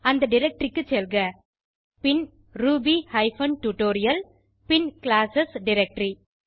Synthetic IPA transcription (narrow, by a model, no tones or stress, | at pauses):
ɐnd̪ɐɖɪɾɛk̚ʈɾɪkːɯt͡ʃːɛlɡɐ | pɪn | ɾuːbihɐɪfɐnʈuʈoːɾɪjɐl | pɪnklaːsɐsɖɪɾɛk̚ʈɾi